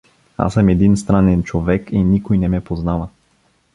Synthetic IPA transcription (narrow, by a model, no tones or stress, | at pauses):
a̰səmɛd̪inst̪ɾanɛnt͡ʃovɛkinikojnɛmɛpoznavə